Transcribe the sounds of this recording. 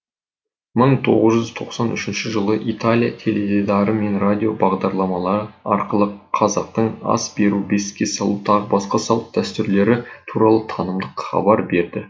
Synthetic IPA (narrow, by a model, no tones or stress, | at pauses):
məɴt̪ʰo̞̰ʁəzʒʏzt̪ʰo̞qsɑnʏʃɪnʃɪʒəlˠəʔit̪alʲijat̪ʰe̞led̪ʲed̪ɑɾəme̞nrad̪ʲijo̞bɑʁd̪ɑɾlˠɑmɑlˠɑɾəɑ̰ɾqəlˠəqʰɑzɑq̚t̪əɴɑ̰sbe̞ɾube̞skʲe̞sɑlˠut̪ʰɑʁəbɑsqɑsɑlˠəp̚d̪̥æst̪ʏɾle̞ɾɪt̪ʰuɾɑlˠət̪ʰɑnəmd̪əqχɑ̰bɑɾbe̞ɾd̪ɪ